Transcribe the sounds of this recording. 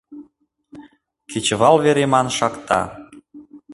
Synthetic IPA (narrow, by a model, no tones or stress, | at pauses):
ket͡ɕəβɑlβeɾemɑnʃɑkt̪ɑ̰